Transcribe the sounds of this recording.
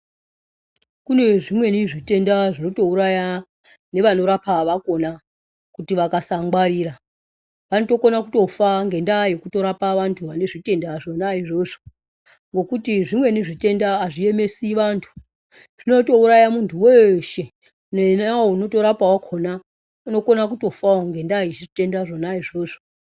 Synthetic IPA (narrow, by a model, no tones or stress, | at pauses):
kune̞ʐimwe̞niʐite̞ndaʐino̞to̞uɾaja | ne̞ʋano̞ɾapaʋako̞na | kutiʋakasaŋɡwaɾiːɾa | ʋanoto̞ko̞nakuto̞faŋɡe̞ndaje̞kuto̞ɾapaʋantʰuʋane̞ʐite̞ndaʐonaiʐo̞ʐo | ŋɡo̞kutiʐimwe̞neʐite̞ndaːʐie̞me̞siʋantʰu̥ | ʐ̥ino̞to̞uɾajamuntʰuweʃe̞ | nenawouno̞to̞ɾapawakʰona | uno̞ko̞nakuto̞faoŋɡe̞ndajeʐite̞ndaʐo̞naiʐo̞ːʐo